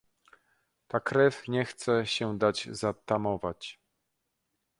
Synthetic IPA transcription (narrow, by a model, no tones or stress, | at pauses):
t̪akɾɛfɲɛxt̪sɛɕɛd̪ad͡ʑzat̪amɔvat͡ɕ